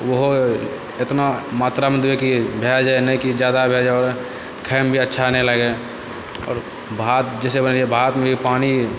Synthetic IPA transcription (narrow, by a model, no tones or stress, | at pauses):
ʋəɦo | ɪt̪namaːt̪ɾamẽd̪ekibʱeːd͡ʒenəĩkid͡ʒjaːd̪abʱed͡ʒɔːɾ | kʰɛːmbʱiətːʃʰanəĩləɡe | ɔ̰ːɾ | bʱat̪d͡ʒɛːsebənliebʱaːt̪mẽbʱipaːni